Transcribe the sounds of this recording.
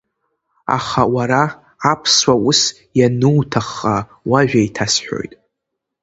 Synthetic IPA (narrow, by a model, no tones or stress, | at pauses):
a̰χawaɾaː | pʰswaʊs | janɨwtʰaχa | waʒᶣaitʰasħʷᶣo̰jtʼ